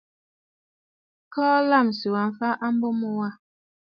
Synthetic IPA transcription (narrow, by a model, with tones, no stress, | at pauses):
kɔː˦la˦˨m˨su˨wa˨ɱ˨fa˦ʔa˦m̩˦bo˦mo˦wa˦˨